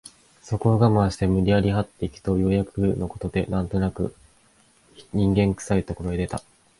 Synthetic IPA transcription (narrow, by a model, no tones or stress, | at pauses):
so̞ko̞ɡamaːɕi̥t̪e̞mɯ̟ɾʲiaɾʲiɦat̪ːe̞ikʲɯ̟̥t̪o̞jo̞jakɯno̞ko̞t̪o̞d̪e̞nãnt̪o̞nakɯ̟̰ | ɲ̟ĩŋɡẽ̞ŋkɯ̥sait̪o̞ko̞ɾo̞ed̪e̞t̪a̰